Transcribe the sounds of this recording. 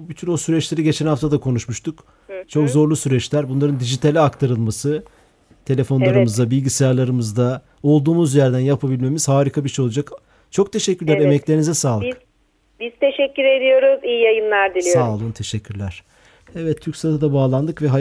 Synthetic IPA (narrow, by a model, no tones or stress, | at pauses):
byt̪ʰynosyɾɛt͡ʃlʲe̞ɾiɟe̞t͡ʃʰɛnhaft̪ʰad̪akʰo̞nuʃmuʃt̪ʰuk | t͡ʃʰo̞kzo̞ɾlˠusyɾɛt͡ʃlʲæɾbunlˠaɾɯnd̪iʒit̪ʰalʲiakt̪ʰaɾɯlˠmasɯ | t̪ʰe̞lʲe̞fo̞nlˠaɾɯmɯzd̪abilʲɟisejaɾlˠaɾɯmɯzd̪a | o̞lˠd̪uːmuzjɛɾd̪ænjapʰabilʲme̞miz̥haːɾikʰabiʃiolˠad͡ʒak | t͡ʃʰo̞kt̪ʰeʃɛcʰːyɾlʲæɾemɛclʲeɾinizɛsaːlˠik | biz̥t̪ʰe̞ʃɛcːyɾed̪ijo̞ɾuzijijajɯnlˠaɾd̪ilʲisaːlˠɯnt̪ʰe̞ʃɛcʰːyɾlʲæɾ̥ | evɛt̪ʰːyɾcsad̪ad̪abaːlˠand̪ɯkvɛɦa